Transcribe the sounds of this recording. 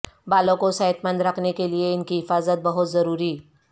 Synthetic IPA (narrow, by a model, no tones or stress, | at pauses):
balõkosaɦət̪mənd̪ɾakʰnekelieɪnkiɦɪfaːzət̪̚bəɦʊt̪zɐɾuːɾiː